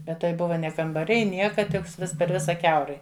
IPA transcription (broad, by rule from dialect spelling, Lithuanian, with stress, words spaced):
ˈbʲɛt tɐɪ ˈbʊʋɐ nʲɛ kɐmbɐˈrʲɛɪ ˈnʲiɛkɐ ˈtʲɪks ˈʋʲɪs pʲɛr ˈʋʲɪsɐ ˈkʲɛʊrɐɪ